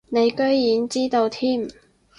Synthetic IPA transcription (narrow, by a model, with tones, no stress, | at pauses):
ne˨˧jkɵ˥ɥjiː˨˥nt͡siː˥t̪o˧wt̪ʰiː˥m